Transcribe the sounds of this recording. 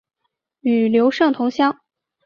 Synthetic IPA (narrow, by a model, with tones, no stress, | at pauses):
y˨˩ljo˧˥ʊʂɤ˥˩ŋt̪ʰʊ˧˥ŋɕjɑ˥ŋ